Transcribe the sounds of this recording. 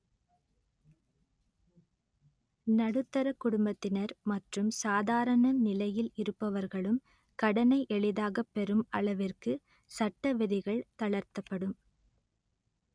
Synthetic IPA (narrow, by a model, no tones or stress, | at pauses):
nɐɽɯt̪ːɐɾɐkːʊɽʊmbɐt̪ːɪnɐɾmɐʈrɯmsaːðaːɾɐɳɐnɪlɐjɪlɪɾɯpːɐʋɐɾɣɐɭɯm | kɐɽɐnɐɪʔɛɭɪðaːɣɐpːɛɾɯmɐɭɐʋɪrkɯ | sɐʈːɐʋɪðɪɣɐɭt̪ɐɭɐɾt̪ɐpːɐɽɯm